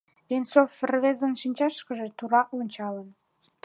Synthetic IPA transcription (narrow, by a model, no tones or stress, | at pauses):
βensofrβezənʃinʲt͡ɕɑʃkəʒet̪uɾɑʔonʲt͡ɕɑlən